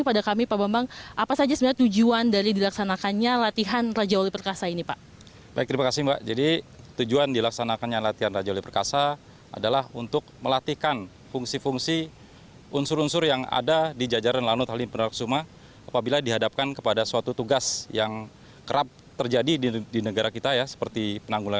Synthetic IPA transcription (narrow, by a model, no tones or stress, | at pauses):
əpadakamipabambaŋʔapasad͡ʒasəbəlat̪ud͡ʒuandaɾidilaksanakanɲalat̪iɦanrad͡ʒaolɪpərkasainipaʔ | baɪk̚t̪ɾimakasɪhba̰ʔd͡ʒadit̪ud͡ʒuandilaksanakanɲalat̪iɦanrad͡ʒaolɛpərkasa | a̰dalahunt̪ʊk̚məlat̪ihkan | fuŋsifuŋsi | unsʊɾunsʊrjaŋa̰dadid͡ʒad͡ʒaɾanlanʊt̪halipənalaksumah | apabiladiɦadap̚kankəpadasuat̪ut̪uɡasjaŋ | kəɾap̚ | t̪ərd͡ʒadididinəɡaɾakit̪ajasə̥pərt̪ipənaŋɡula